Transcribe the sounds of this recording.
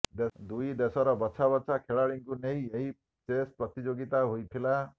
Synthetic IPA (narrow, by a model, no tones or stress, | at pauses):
d̪ed̪ujd̪esɔɾɔbɔt͡ʃʰabɔsʰakʰeɭaɭiŋkuneɦĩeɦi | t͡ʃespɾɔt̪id͡ʒoɡit̪aɦojt̪ʰila